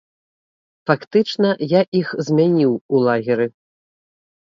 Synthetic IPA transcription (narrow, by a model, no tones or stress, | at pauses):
fakt̪ɨt͡ʂnɐjaʔixzʲmʲanʲiwulˠaɣʲiɾɨ